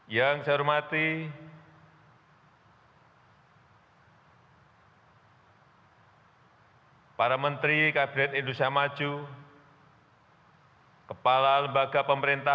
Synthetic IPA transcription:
jaŋsaɾumat̪i | paɾamənt̪ɾikabinɛt̪indusiamad͡ʒu | kəpalaləmbaɡapəməɾint̪a

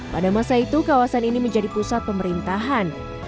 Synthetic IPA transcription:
padamasait̪ukawasaniniməɲd͡ʒadipusat̪̚pəməɾint̪aɦan

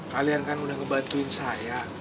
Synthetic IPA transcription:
kaliankanudahŋəbant̪uɪnsaja

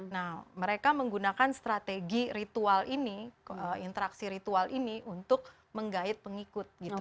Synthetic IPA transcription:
nahməɾekaməŋɡunakanst̪ɾat̪eɡiɾit̪ualiniəint̪əɾaksiɾit̪ualʔiniʔunt̪ʊk̚ | məŋɡaɪt̪̚pəŋikʊt̪̚ɡit̪u

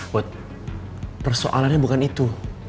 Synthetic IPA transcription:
ʊt̪̚ | pərso̰ʔa̰lanɲabukanit̪u

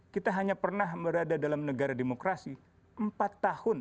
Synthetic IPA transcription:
kit̪aɦaɲapərnahbəɾadadalamnəɡaɾademokɾasi | əmpat̪ːahʊn

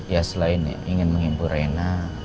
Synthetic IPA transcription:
jasəlaɪnja̰iŋɪnməŋimbuɾena

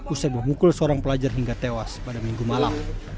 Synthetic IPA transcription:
usabərmukʊlsəoɾaŋpəlad͡ʒarɦiŋɡat̪ewaspadamiŋɡumalam

